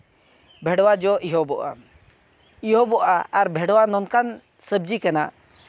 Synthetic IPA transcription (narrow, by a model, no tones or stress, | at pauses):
bʱɛɽwad͡ʒɔʔiɦɔbɔʔa̰ | iɦɔbɔʔaːɾbʱɛɽwanɔnkan | səbd͡ʒikana̰ʔ